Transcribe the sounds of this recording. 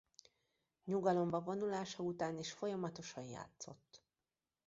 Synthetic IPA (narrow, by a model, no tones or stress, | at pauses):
ɲuɡɒlo̞mbɒvo̞nulaːʃɒut̪aːniːʃfo̞jɒmɒt̪o̞ʃɒnja̰ːt̪so̞̰t̪ː